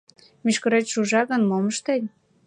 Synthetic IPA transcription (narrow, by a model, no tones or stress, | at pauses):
myʃkə̆ɾet͡ɕʃuʒɑɣənmoməʃt̪enʲ